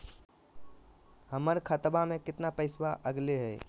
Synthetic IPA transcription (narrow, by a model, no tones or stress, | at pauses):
həməɾkʰət̪bamẽkɪt̪napəɪswaʔəɡleɦɛː